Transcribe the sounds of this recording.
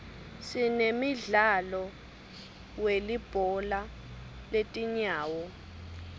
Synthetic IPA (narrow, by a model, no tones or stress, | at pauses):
sinemiɮalɔ | welib̥ʱɔla | letʼiɲaːwɔ